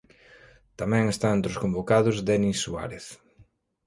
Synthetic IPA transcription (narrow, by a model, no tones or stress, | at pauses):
t̪amɛ̃ŋest̪aent̪ɾʊskombokaðʊzd̪ɛnisua̰ɾeθ